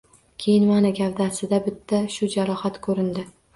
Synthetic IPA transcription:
kʲʰejɪnmanɪɡʲavd̪asɪd̪abɪt̪ʰːaʃʊd͡ʒaɾɒhat̪kʰɵɾɪnd̪ɪ

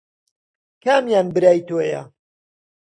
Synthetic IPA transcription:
kʰaːmjaːnbɨɾaːjt̪oːjɐ̰

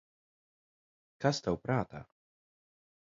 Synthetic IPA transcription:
kast̪awpɾaːt̪a̰

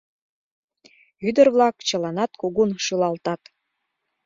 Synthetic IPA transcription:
yd̪ə̆rβlˠɑkt͡ɕɤ̆lɑnɑt̪kuɣunʃɯlɑlt̪ɑt̪

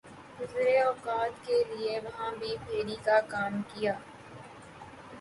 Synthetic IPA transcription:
ɡʊzɾeɔːkaːt̪kelɪeʋɐɦãbʱipʰeːɽikakaːmkijaː

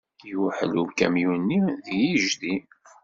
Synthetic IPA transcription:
juħəluvkæ̰mjunːijiʒdi

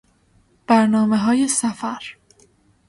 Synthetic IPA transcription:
b̥æɾnɒːme̞ɦɒːje̞sæfæɾ

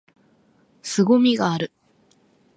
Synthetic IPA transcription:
sɨɡomʲiɡaːɾɯ̟

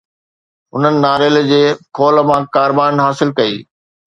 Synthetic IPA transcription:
ʊnənɪ̆naːɾel̆d͡ʑeːkʰoːləmãkaːɾbaːɪnɦaːsɪlkɐḭː

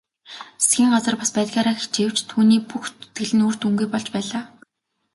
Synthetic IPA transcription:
e̥sɡʲiːŋɢat͡sə̆rpaspæːt̪ɡʲaːɾaːxit͡ɕew̥t͡ɕt̪ʰuːniːpuxt̪u̥t̪ɡɘ̆ɮɘ̆nuːr̥t̪uŋɡujpɔɮt͡ɕpæːɮaː

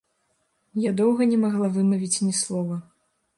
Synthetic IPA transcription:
jad̪ɔwɣɐnʲɛmaɣlˠavɨmɐvʲit͡sʲnʲɛslˠɔvɐ

